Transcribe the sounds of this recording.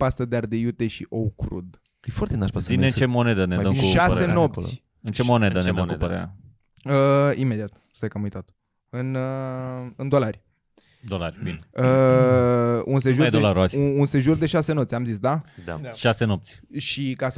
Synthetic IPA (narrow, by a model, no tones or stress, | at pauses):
past̪əd̪eard̪ejut̪eʃiʔowkɾṵd̪ | efaɾt̪enaʃpasineɨnt͡ʃemo̞ned̪əned̪əkuʃaseno̞p̪̚sʲ | ɨnt͡ʃemoned̪əned̪əmkudpəɾḛɾʲa̰ | əime̞d̪iat̪ | st̪akamujt̪at̪ | ɨn | ɨnd̪o̞larʲ | d̪olaɾʲbineə | unseʒuɾd̪olaɾaunse̞ʒurd̪e̞ʃasenoptsʲamzisd̪aʃasenop̚t̪sʲʃikas